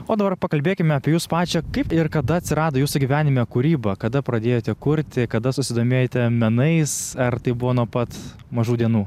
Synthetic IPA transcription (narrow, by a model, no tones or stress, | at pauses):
oːd̪ɐbɐrpɐkɐlʲbʲeːkʲɪmʲɛɐːpʲiɛjuːspɑːt͡ʃʲɛkɐɪpɪrkɐd̪ɐɐt̪ʲsʲɪɾɑːd̪oːjuːsʊɡʲiʋʲæːnʲɪmʲɛkʊɾʲiːbɐkɐd̪ɐpɾɐd̪ʲeːjoːt̪ʲɛkʊɾʲt̪ʲɪkɐd̪ɐsʊsʲɪd̪oːmʲeːjot̪ʲɛmʲɛnɐɪsɐrt̪ɐɪbʊʋoːnuɔpɐt̪ | mɐʒuːd̪ʲiɛnuː